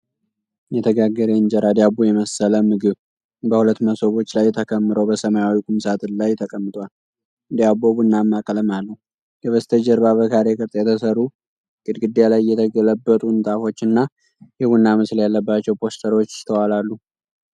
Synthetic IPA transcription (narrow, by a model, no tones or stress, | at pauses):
jɛt̪ʰəɡaɡːəɾeɨnd͡ʒəɾad̪jabujɛməsələmɨɡɨβ | bəhulət̪ːməsoβo̞t͡ʃːlajt̪ʰəkʰəmːɨɾobəsəmajawikʼumsat̪ʰɨnlajt̪ʰəkʼəmːɨt̪ʼwal | d̪ijaboβɨnːamːakʼələmalːəhu | ɡəβəst̪ʰəd͡ʒəɾbaβəkʰaɾekʰɨɾt̪ʼjɛt̪ʰəsərːu | kʼɨd̪ɡɨd̪ːejalajjːɛt̪ʰəɡələbːət̪ʼunt̪ʼafo̞t͡ʃːɨnːa | hɨβunːamɨsljalːəbːat͡ʃːɛwpʰo̞st̪ʰəɾo̞t͡ʃːt̪ʰəwalalːu